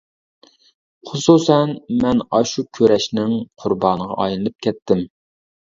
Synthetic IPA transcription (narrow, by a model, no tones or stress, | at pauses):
χʊsusɛnmɛnɑʃukʲʰøɾɛʃnɪŋqʰʊɾbɑːnəʁɑ̰ʔɑjnɨlˠɨp̚kʲʰɛt̪ʰːɪm